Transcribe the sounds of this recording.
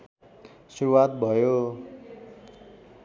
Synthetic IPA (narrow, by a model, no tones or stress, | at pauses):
suɾuwat̪̚bʱʌjo